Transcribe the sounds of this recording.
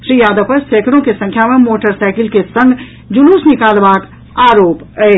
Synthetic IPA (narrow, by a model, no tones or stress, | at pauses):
ʃɾiːjaːd̪əpəseːkʰɾõkesə̃ŋkʰjamemoːʈəɾsaɪkɪlkesə̃ŋɡ | d͡ʒunuːsnɪkaːlbaːk | aːɾoːpəe